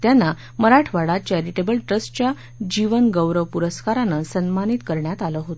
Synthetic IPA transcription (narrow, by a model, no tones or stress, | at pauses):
t̪janːa | məɾaʈʰʋaɽat̪̚t͡ɕeɾiʈebəlʈɾəst͡ɕja | d͡ʑiʋənɡəwɾəʋpuɾəskaɾanəsənmanit̪kəɾɳjat̪aləɦot̪o